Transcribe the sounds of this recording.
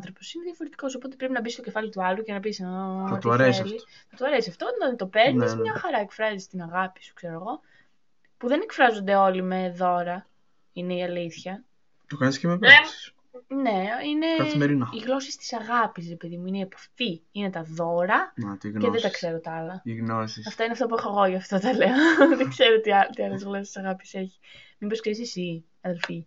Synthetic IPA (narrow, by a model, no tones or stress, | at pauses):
ɐnθɾo̞po̞sineðiɐfo̞ɾet̪i̥ko̞sopo̞t̪e̞pɾepinɐbist̪o̞ce̞fɐlit̪uɐlucenɐpisenɐk̪ɐɾesliθɐt̪uɐɾesiɐft̪oot̪o̞peɾnismɲɐxɐɾɐe̞kfɾɐzist̪inɐɣɐpi̥su̥kse̞ɾoɣo̞ | puðe̞ne̞kfɾɐzo̞nd̪e̞o̞lime̞ðo̞ɾɐ | ine̞iɐliθçɐ | t̪okɐniscemeps | ne̞ine̞meɾiniɣlo̞sist̪i̥sɐɣɐpis̬ɾe̞pe̞ðimuineiepɐftiine̞t̪ɐðo̞ɾɐɐt̪ineðet̪ɐkse̞ɾot̪ɐlɐiɣnosiɐft̪ɐineɐft̪op̬uexoɣo̞ʝɐft̪ot̪ɐle̞oðeɡze̞ɾot̪it̪iɐlezɣlo̞sest̪i̥sɐɣɐpi̥se̞çi̥ | miboskis̬isi | ɐðe̞lfi